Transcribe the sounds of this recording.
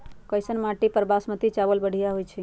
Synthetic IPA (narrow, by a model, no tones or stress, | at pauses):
kəjsənmãʈipəɾbasmət̪it͡ʃabəlbəɽ̤ʱijaɦojt͡ʃʰi